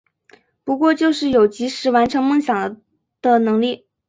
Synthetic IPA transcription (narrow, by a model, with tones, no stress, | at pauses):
pu˧˥kwɔ˥˧t͡ɕjo˥˧ʊʂɻ̩˥˩jo˨˩ʊt͡ɕi˧˥ʂɻ̩˧˥wa˧˥nʈ͡ʂʰɤ˧˥ŋmɤ˥˩ŋɕjɑ˨˩ŋ | d̪̥ə˧nɤ˧˥ŋli˥˩